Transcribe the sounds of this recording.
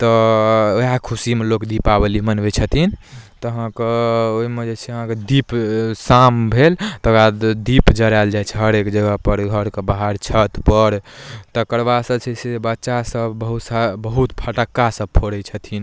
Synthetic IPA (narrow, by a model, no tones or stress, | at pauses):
t̪ɔ | jakʰusimelokd̪ipabəlimənbet͡ʃʰət̪ʰint̪ɔəɦãkeoimed͡ʒet͡ʃʰɛəɦãked̪ipsambʱelt̪ɔɡad̪ipd͡ʒəɾald͡ʒajt͡ʃʰɛɦəɾekd͡ʒəɡəɦpəɾɡʱəɾkebaɦaɾt͡ʃʰət̪pəɾt̪ɔkəɾbasəbt͡ʃʰɛsebətːʃasəbbəɦut̪saːəɦut̪pʰəʈəkːasəb̚pʰoɽɛt͡ʃʰət̪ʰin